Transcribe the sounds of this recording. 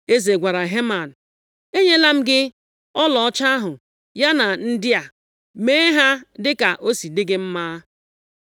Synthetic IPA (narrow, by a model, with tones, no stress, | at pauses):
e˦ze˨ɡʷa˨ɾa˨ɦe˦ma˨n̩˨ | e˦ɲe˦la˦m̩˦ɡɪ˦ | ɔ˦lɔ˨ɔ˦t͡ʃa˦ɦʊ˨ | ja˦na˨n̩˦dɪ˦a˨ | me˦ɦa˦dɪ˦ka˨ʔo˦si˨dɪ˦ɡɪ˦m̩˦maː˦